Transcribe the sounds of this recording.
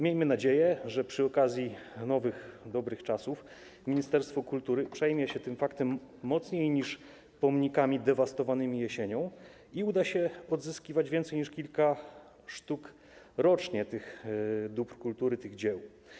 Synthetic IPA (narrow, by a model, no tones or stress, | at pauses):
mʲjejmɘnad͡ʑejɛʐɛpʂɘɔkazʲjinɔvɘxd̪ɔbɾɘxt͡ʂasuf | mʲiɲist̪ɛɾst̪fɔkult̪uɾɘpʂɛjmʲjɛɕɛt̪ɘmfakt̪ɛmːɔt̪sɲejɲiʂ | pɔmɲikamʲid̪ɛvast̪ɔvanɘmʲijɛɕeɲɔ̃w̃ | iud̪aɕɛɔd̪zɘskʲivad͡ʑvʲjɛnt̪sɛjɲiʂkʲilka | ʂt̪uk | ɾɔt͡ʂɲɛt̪ɘxd̪upɾkult̪uɾɘt̪ɘɣd͡ʑɛw